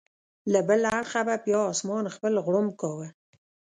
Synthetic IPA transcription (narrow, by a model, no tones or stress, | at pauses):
labəlaaɽxabapjɑːsmɑnxpəlɣɽʊmkɑwə